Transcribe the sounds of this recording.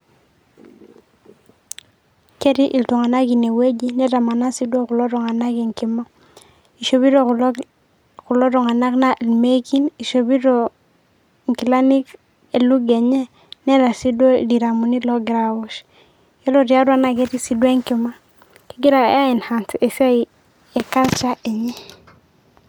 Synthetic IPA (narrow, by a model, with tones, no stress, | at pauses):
ke˦ɾi˦ʔi˨ltu˨ŋa˨na˦ɡi˨ne˨we˦ɟi˦nɛ˦ta˨ma˨na˦si˦do˦ku˨lo˦ɾɔ˨ŋa˨na˦ɡi˨ŋki˨ma˦ | i˨ʃo˨bi˦ɾo˨ | ku˨lo˦ɾɔ˨ŋa˨na˦kna˦ʔe˨lme˦ki˦ni˨ʃo˨bi˦ɾo˨ | ŋki˨la˦ni˦k | e˨lu˦ɡe˨ɲɛ˦ | ne˦ɾa˨si˦do˦di˨ɾa˨mu˨ni˦lo˦ɡi˨ɾa˨wu˦ʃ | ɛ˦lo˦ɾi˨a˦ɾu˦a˦na˦ɡe˦ti˦si˨dwe˦ŋki˨ma˦ | ki˦ɡi˦ɾa̰˨a˦i˨nha˨nte˨si˦a˦i˨ | e˨ka˦t͡ʃa˦ʔe˨ɲɛ˦